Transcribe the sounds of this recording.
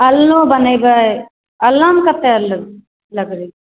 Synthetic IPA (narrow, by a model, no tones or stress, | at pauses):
ɐlnobɐnɐjba | ɐlːamkɐt̪ːeɐlːɐ | lɐɡɾi